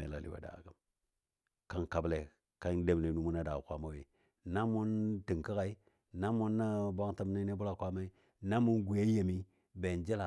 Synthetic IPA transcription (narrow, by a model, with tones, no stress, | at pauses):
ḛ˨la̰˨lḭ˦wa̰˨da̰˨ɡa˨m | ka˦nka˨ble˨ | ka˦nde˦m˨le˨nu˦mu˦na˦da˨kʷa˦ma˦we˨ | na˦mu˦nti˨ŋki˦ka˨i˦ | na˦mu˦nːa˦ba˦ŋta˦mna˦ne˦bu˦la˨kʷa˦ma˦i˦ | na˦mu˦nɡu˨je˦je˨mi˦ | be˨nd͡ʒi˦la˨